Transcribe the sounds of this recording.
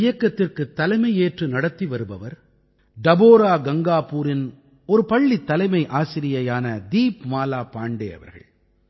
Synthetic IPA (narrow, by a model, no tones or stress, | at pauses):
ɪjɐkːɐt̪ːɪrkɯt̪ːɐlɐɪmɐɪjeːʈrɯnɐɽɐt̪ːiʋɐɾɯbɐʋɐɾ | ɖɐboːɾaːɡɐŋɡaːpuːɾɪn | ɔɾɯpɐɭːit̪ːɐlɐɪmɐɪʔaːsɪɾɪjɐjaːnɐd̪iːpmaːlaːpaːɳɖḛːɐ̰ʋɐ̰ɾɣɐ̰ɭ